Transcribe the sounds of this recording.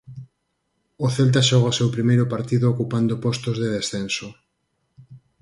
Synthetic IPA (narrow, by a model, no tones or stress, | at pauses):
oθelt̪̬aʃɔɣasewpɾimejɾʊpaɾt̪iðookupand̪opɔst̪ozðeð̞esθenso